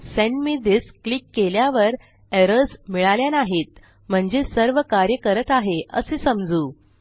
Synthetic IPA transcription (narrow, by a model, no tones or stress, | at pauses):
sɛnmid̪isklikːeljaʋəɾ | eɾəsmiɭaljanaɦet̪̚ | m̤əɳd͡zesəɾʋəkaɾjəkəɾət̪aɦeʔə̰sesəmd͡zuː